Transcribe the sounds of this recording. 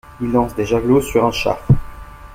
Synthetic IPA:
ilːɑ̃sd̪eʒaɡlosyʁɛ̃ʃa̰f

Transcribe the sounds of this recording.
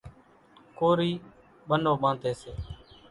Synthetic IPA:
koːɾiː | ɓənoːɓãːnt̪eːseː

